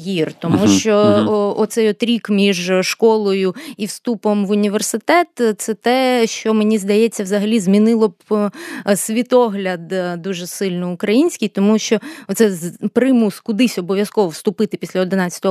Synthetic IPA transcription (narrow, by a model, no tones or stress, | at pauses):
jirt̪ɔmuʃt͡ʃɔɔt̪sɛjɔt̪ɾʲikmʲiʒʃkɔlˠɔjʊiwst̪upɔmʋʊnʲiʋersɪt̪ɛt̪t̪sɛt̪ɛʃt͡ʃɔmenʲizd̪ɐjɛt͡sʲːɐwzɐɦɐlʲizmʲinɪlˠɔb | sʲʋʲit̪ɔɦlʲɐd̪d̪uʒɛsɪlʲnɔʊkɾɐjinʲsʲkɪjt̪ɔmuʃt͡ʃɔɔt̪sɛpɾɪmuskʊd̪ɪsʲɔbɔʋʲjɐskɔʋɔwst̪ʊpɪt̪ɪpʲi̥sʲlʲɐɔd̪ɪnɑt͡sʲə̥t̪ɔ